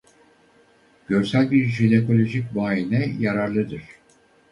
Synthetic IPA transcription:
ɟ̥øɾsælʲbiɾʒineko̞lʲo̞ʒic̚ʲbaːjinɛjaɾaɾlˠɯd̪ɯɾ̥

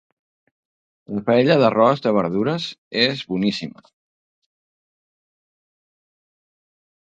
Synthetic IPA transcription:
ləfəeʎəðərɔzðəβəɾðuɾəzezβunisimə̰

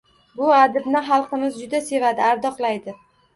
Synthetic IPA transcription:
bʊad̪ɪb̪nɪχɑlˠqʰɨmɪzd͡ʒʊd̪ase̞vad̪ɪaɾd̪ɒqlˠajd̪ɪ

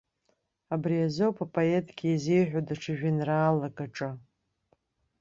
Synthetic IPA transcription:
abriazowpʰapʼoetʰʼɡʲiazejħᶣodaʈ͡ʂʰɨʒᶣɪnraːlakʼaʈ͡ʂʼa

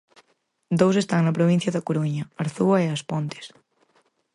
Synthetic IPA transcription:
d̪owsest̪aŋnɐpɾoβ̞ĩn̟θjɐðɐkoɾuɲɐaɾθuɐeaspɔnt̪e̥s

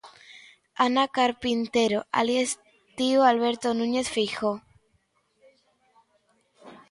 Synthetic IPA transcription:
anakaɾpint̪e̞ɾoʔa̰ljes | t̪ioalβ̞e̞ɾt̪onũɲe̞θfixo

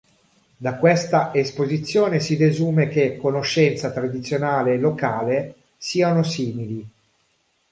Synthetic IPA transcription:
d̪akwest̪aʔespozit̪sːjoːnesid̪ezuːmek̟ekːonoʃːɛnt̪sat̪ɾad̪it̪sjonaːleːlːokaːle | siːanosiːmili

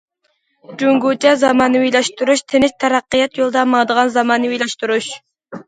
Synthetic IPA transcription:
d͡ʒuŋɡut͡ʃʰɛzɑmɑːnɨwijlɛʃt̪uɾuʃt̪ʰenɪst̪ʰɛɾɑqːəjɑt̪jolˠd̪ɑmɑŋd̪əʁɑnzɑmɑːnɨwilɛʃt̪uɾuʃ

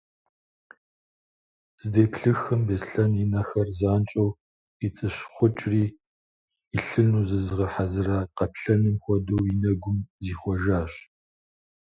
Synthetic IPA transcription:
z̥ɨdeːpɬɨxɨmbeːsɬɐninɐxɐrzaːnt͡ʃʼɐw | it͡sʼɨɕχʷʊt͡ʃʼriː | iɬɨnuːzɨzʁɐħazɨraːqɐpɬɐnɨmxʷɔdowinɐɡʷʊmziːχʷɔʒaːɕ

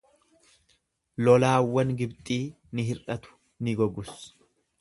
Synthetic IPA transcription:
lɔlaːwːɐnɡɪbt̪ʼiː | nɪɦɪrɐt̪ʊ̥ | nɪɡɔɡʊs

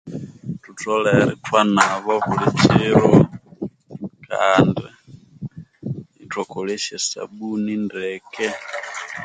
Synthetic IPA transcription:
tutɔlɛɾitwanaβɔβulit͡ʃiɾɔ | kʰa̰ndɛ | itwakɔlɛʃɛsa̰ɓunindɛkɛ

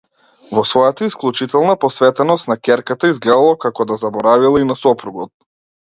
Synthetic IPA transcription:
vɔsvɔjat̪aisklˠut͡ʃit̪ɛlˠnapɔsvɛt̪ɛnɔst̪nakʲɛɾkat̪aizɡlɛd̪alˠakakɔd̪azabɔɾavilˠainasɔpɾuɡɔt̪̚

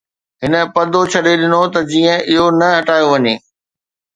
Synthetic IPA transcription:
ɦɪnə̆pɐd̪ʱot͡ɕʰɐɗeɗɪnot̪ɐd͡ʑiːə̃ɪɦonɐɦɐʈaːjoʋɐɲeː

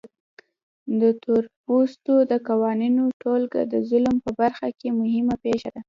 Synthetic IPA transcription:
d̪ət̪oɾpust̪od̪əkawɑninoʈolɡ̰d̪əzʊlmpəbaɾxakemʊhɪmapeʃad̪a

